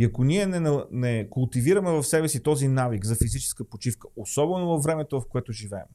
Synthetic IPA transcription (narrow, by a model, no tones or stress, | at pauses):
iɐkonʲiɛnɛnɐnɛkʊlˠt̪iviɾɐmɛvɐfsɛbɛsit̪ɔzinavikzɐfizit͡ʃɛ̥skəpot͡ʃifkə̥osɔbɛnovɐfːɾɛmɛt̪ovɐfkoɛt̪oʒivɛ̰ːm